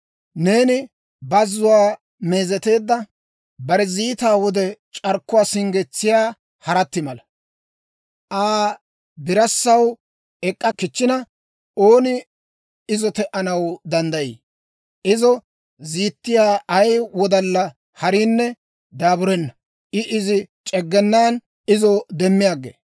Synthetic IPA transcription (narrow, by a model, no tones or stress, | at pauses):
ne̞ːnɪ | bɐzːʊwaː | me̞ːzɛt̪e̞ːd̪ːɐ | bɐɾɛziːt̪aːwɔd̪ɛt͡ʃʼɐɾkːʊwaːsɪŋɡɛt͡sːɪjaː | hɐɾɐt̪ːɪmɐlɐ | ʔaː | bɪɾɐsːɐw | ɛkʼːɐkɪt͡ʃːɪnɐ | oːnɪ | ɪzɔt̪ɛʔɐnɐwd̪ɐnd̪ɐjḭː | ʔɪzɔ | ziːt̪ːɪjaːɐjwɔd̪ɐlːɐ | hɐɾiːnːɛ | d̪aːbʊɾɛnːɐ | ʔɪʔɪzɪt͡ʃʼɛɡːɛnːaːn | ɪzɔd̪ɛmːɪjaːɡːḛː